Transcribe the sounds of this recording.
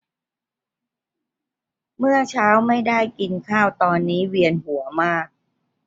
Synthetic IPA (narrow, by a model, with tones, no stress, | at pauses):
mɯ˥˩ɐt͡ɕʰaː˦˥wma˥˩jda˥˩jki˧nkʰaː˥˩wt̪ɔː˧nːiː˦˥wi˧ənhu˩˦əmaː˥˩k̚